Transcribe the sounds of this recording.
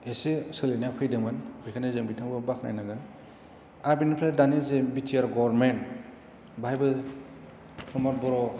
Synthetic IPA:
esisɯlinapʰɯjdɯŋbɯnbikʰanezeŋbitʰaŋbɯbakʰna̰jnaɡɯn | aɾbinpʰɾedanezebitʰiaɾɡɔbɾment | bajbɯ | sɔmɔt̚bɔɾɔ

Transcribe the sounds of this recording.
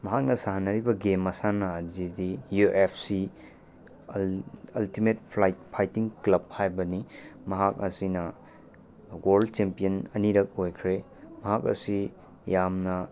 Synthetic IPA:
mɐɦak̚nɐsaɦanɐɾibɐɡemɐsanɐːzidijuʔepʰsi | ɐltimet̚pʰlajt̚pʰajtiŋklɐb̚hajbɐnimɐɦak̚ɐsinɐ | ɡoɾllt͡ʃempijɐnɐniɾɐk̚ojkʰɾe | mɐɦak̬̚ɐ̰si | jamnɐ

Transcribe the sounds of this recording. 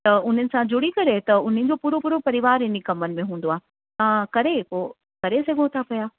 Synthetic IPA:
t̪ɐʊn̤ənɪ̆sãd͡ʑʊɽikɐɾet̪ɐʊn̤ənɪ̆d͡ʑoːpuːɾopuːɾopɐɾɪʋaːɾɪnikɐmənɪ̆mẽɦũːn̆d̪oaːɦ | t̪ãːkɐɾepoː | kɐɾesɐɡʱõt̪ʰapɐjaː

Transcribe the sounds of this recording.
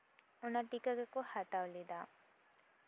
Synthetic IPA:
unɐʈikɐɡekuhat̪aʋlid̪a

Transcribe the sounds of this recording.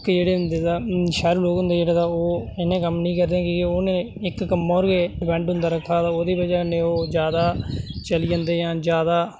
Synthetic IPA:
kd͡ʒeːɽeːʊnd̪eːd̪aːʃɛːɾuːloːkɦʊ̃nd̪eːd͡ʒeːɽaːt̪aːoːɪnẽːkəmnĩːkəɾd̪eːɛ̃kiːeoːnẽ | ɪkːəmːaːɾɡeːɖɪpɛ̃ːɳʈɦʊ̃nd̪aːɾəkʰːaːt̪aːoːd̪iːbəd͡ʒanẽːoːd͡ʒjaːd̪aːt͡ʃəliːãːnd̪eːjãːd͡ʒjaːd̪aː

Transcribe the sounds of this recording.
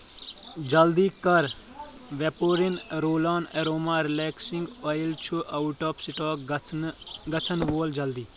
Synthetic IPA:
d͡ʒɐld̪ikɐɾ | ʋepoːɾinɾoːlaːneɾoːmaːɾileːksiŋɡojilt͡ʃʰuʔɐuʈɔːpsiʈɔːk | ɡɐt͡ʃʰənʋoːld͡ʒɐld̪iː

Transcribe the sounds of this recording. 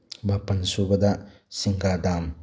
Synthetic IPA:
mapɐnsubɐda | siŋɡadam

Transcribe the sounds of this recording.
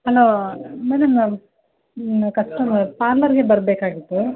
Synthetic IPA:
hɐloːmɐnɐmɐ | kɐʂʈɐpaːɾlɐɾɡebɐɾbeːkaːɡit̪ːu

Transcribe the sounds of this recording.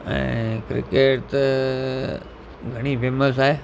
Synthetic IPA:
ə̰̃kɾɪ̰keʈʈ̪ | ɡʱəɽ̃ipʰeːməs̬aːe

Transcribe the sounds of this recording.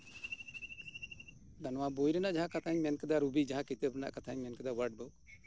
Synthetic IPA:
d̪anwabojɾɛnaʔd͡ʒaɦãkat̪ʰaɲmɛnkɛd̪aɾubid͡ʒaɦãkit̪əbɾɛna̰ʔkat̪ʰaɲmɛnkɛd̪awəɾɖ̚bəw

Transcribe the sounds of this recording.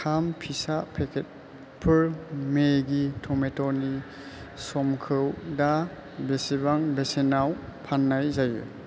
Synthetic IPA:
kʰampʰisapʰekʰet̚ | pʰɯɹmeɡitʰɔmetɔni | sɔmkʰɯwda | besibaŋbesenawpʰanːajzajṵ

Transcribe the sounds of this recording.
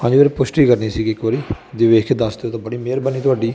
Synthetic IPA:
pə̃ɲd͡ʒʋeːɾpʊsʈiːkəɾniːsiːɡiɪkʋəɾiː | d̪eʋeːkʰed̪əsd̪eːoːt̪ãːbəɽiːmeːɾbəniːt̪ʊaːɖiː

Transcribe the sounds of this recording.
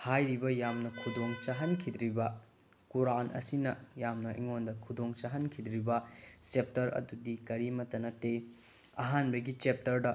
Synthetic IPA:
hajɾibɐjamnɐkʰudoŋt͡ʃaɦɐnkʰid̪ɾibɐ | kuɾanʔɐ̰sinɐjamnɐʔḭŋondɐkʰudoŋt͡ʃaɦɐnkʰid̪ɾibɐt͡ʃep̚tɐɾɐ̰dudikɐɾimɐtɐnɐtːe | ɐ̰ɦanbɐɡit͡ʃep̚tɐɾdɐ

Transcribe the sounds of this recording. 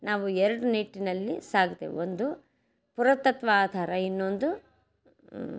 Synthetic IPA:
naːʋuɛɾɐɽuniʈːinɐlːisaːɡd̪ḛond̪u | puɾɐt̪ːɐt̪ʋɐaːd̪ʱaːɾɐinːo̞nd̪u

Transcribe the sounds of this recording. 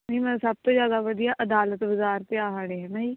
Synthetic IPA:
nəimɛ̃ːsəb̚t̪õːzjaːd̪aːʋəd̪ijaːʔəd̪aːlət̪ʋɪzaːɾt̪eaːɦaːɽeːɦɛ̃ːnaːiː

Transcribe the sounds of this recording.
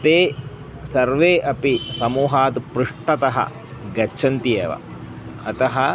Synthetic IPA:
t̪eː | sɐɾʋeːʔɐpisɐmuːɦaːd̪pɾuʂʈɐt̪ɐɦɐ̰ | ɡɐt͡ʃʰɐnt̪ijeːʋɐ̰ | ɐt̪ɐɦɐ

